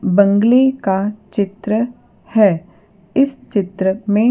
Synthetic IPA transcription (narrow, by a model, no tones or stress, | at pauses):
bɐ̃ŋɡlekat͡ʃɪt̪ɾə | hɛː | ɪst͡ʃɪt̪ɾəmẽ